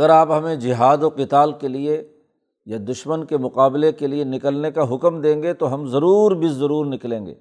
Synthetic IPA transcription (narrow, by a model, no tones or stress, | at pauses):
ɐɡəɾaːpɦɐmẽd͡ʒɪɦaːd̪oqɪt̪aːlkelie | jad̪ʊʃmənkemʊqaːblekelienɪkəlnekaɦʊkmd̪ẽːŋɡet̪oɦɐmzɐɾuːɾbɪzɐɾuːɾnɪklẽːŋɡḛː